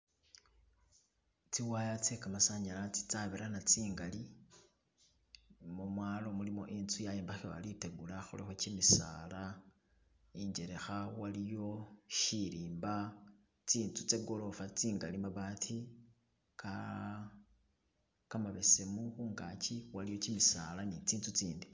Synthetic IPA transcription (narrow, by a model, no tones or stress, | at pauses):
t͡siwajat͡sekamasaɲalat͡si̥t͡saβiɾanat͡siːŋɡali | mumwaːlo̞mulimo̞̰ʔint͡sujajeːmbaxewa̰liteɡulaxolexot͡ʃimisa̰la | iɲɟe̞ɾe̞xawalijo̞ʃiɾiːmba | t͡siːnt͡sut͡se̞ɡo̞lo̞fat͡siːŋɡalimaβatʰi | ka | kamaβese̞muxuːŋɡat͡ʃiwalijo̞cimisalanit͡siːnt͡sut͡siːndi